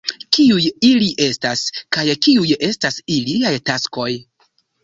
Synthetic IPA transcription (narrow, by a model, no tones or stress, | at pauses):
kiujiliʔe̞staskajkiuje̞stasiliajtasko̞j